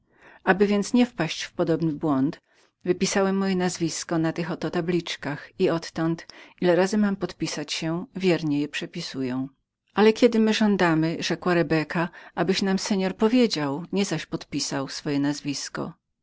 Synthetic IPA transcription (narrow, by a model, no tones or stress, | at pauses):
abɘvʲjɛnt̪sɲɛfpaɕt͡ɕfpɔd̪ɔbnɘbwɔnt̪ | vɘpʲisawɛmːɔjɛnazvʲiskɔnat̪ɘxɔt̪ɔt̪ablʲit͡ʂkaxiɔt̪ːɔnt̪ʔilɛɾazɘmampɔt̪pʲisat͡ɕɕɛvʲjɛɾɲɛjɛpʂɛpʲisujɔ̃w̃ | alɛkʲɛd̪ɘmɘʐɔnd̪amɘʐɛkwaɾɛbɛkaʔabɘɕnamsɛɲɔɾpɔvʲjed͡ʑawɲɛzaɕpɔt̪pʲisawsfɔjɛnazvʲiskɔ̰